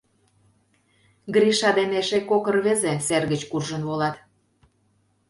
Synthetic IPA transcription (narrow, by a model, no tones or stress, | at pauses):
ɡɾiʃɑd̪eneʃekokərβezeserɣət͡ɕkurʒənβolɑt̪